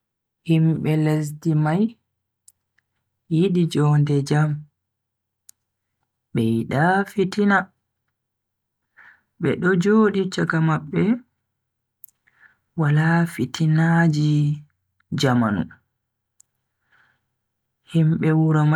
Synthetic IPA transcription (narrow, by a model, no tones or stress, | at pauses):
himɓɛles̬dimaj | iɗid͡ʒɔːndɛd͡ʒam | ɓɛjiɗafitina | ɓɛɗɔd͡ʒoːɗit͡ʃakamaɓːɛ | walafitʰinad͡ʒi | d͡ʒama̰nṵ | himɓɛwuɾama